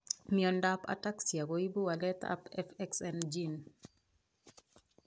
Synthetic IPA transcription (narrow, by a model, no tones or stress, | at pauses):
miɔndapa̰taksiaɡɔibuwalɛta̰pɛfɛksɛnd͡ʒin